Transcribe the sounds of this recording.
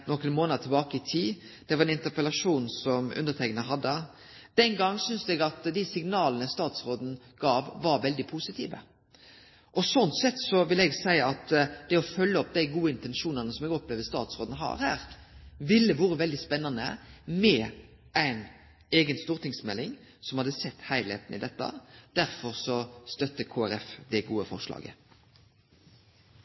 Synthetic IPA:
nɔkːənmoːnɑd̪t̪ʰɪbɑːkəɪt̪ʰiː | d̪̥ɛʋɑɾɛnɪnt̪əpəlɑʂuːnsɔmʉ̰nd̪əɾt̪ʰɛknəɦɑd̪ːə | d̪̥ɛnɡɑŋːsʏnsɛɡɑt̪d̪æɪsɪŋnɑːlənəst̪ɑːt̪sʁoːd̪n̩ | ɡ̥ɑːʋʋɑɾʋɛld̪ɪpʰusɪt̪ʰḭːʋə̰ | ʔɔsɔnt̪sɛt̪ːsɔʋɪlɛɡsæɪəɑt̪d̪̥ɛɔfœlːəɔp̚d̪æɪɡuːəɪnt̪ɛnʃuːnɑnəsɔmɛɡɔpleːʋd̪əst̪ɑ̰ːt̪sʁoːd̪n̩ɦɑ̰ːɾhæːʁ | ʋɪlːəʋuːɾəʋɛld̪ɪspɛnːɑnə̰mɛ | æɪn | eːɡənst̪uːɾt̪ɪŋsmɛlːɪŋ | sɔmhɑd̪əsɛt̪ːhæɪlhḛːt̪n̩ɪ̰d̪ɛt̪ːɑ̰d̪̥æɾfɔʁsɔst̪œt̪ːəkʰoːæɾɛfd̪ɛɡuːəfɔ̰ʁʂlɑ̰ːɡə̰

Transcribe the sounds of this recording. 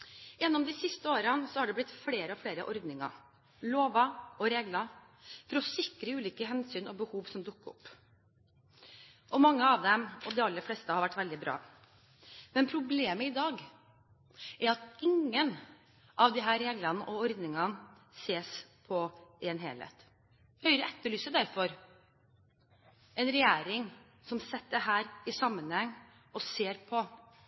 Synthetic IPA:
jɛnːɔmd̪ɪsɪst̪əoːɾənsɔhɑɖɛblɪt̪fleːɾəɔfleːɾə̰ʔɔɾd̪nɪŋɑ̰ | loːʋɑɔɾeːɡlɑ | fɔɾɔsɪkɾəʉːliːkəɦɛnsyːnɔbəhuːʋsɔmd̪ʊkːɔ̰pː | ʔɔmɑŋːəɑʋd̪ɛmɔd̪ɪɑlːəɾflɛːst̪əhɑɾʋæʈːʋɛld̪ɪbɾɑ̰ː | mɛnpʰɾʊbleːməɪd̪ɑːɡ | ʔæɾɑt̪ɪŋːən | ʔɑʋd̪ɪɦæːɾɾeːɡlɑnəʔɔɔɾd̪nɪŋɑn | seːspʰɔʔeːnɦḛːlhḛːt̪ | hœʏɾəɛt̪ːəɭyːsəd̪æɾfɔɾ | ʔɛnɾɛjæːɾɪŋ | sɔmsɛt̪ːəɦæːɾɪsɑmːənhɛŋː | ɔseːɾpʰɔ

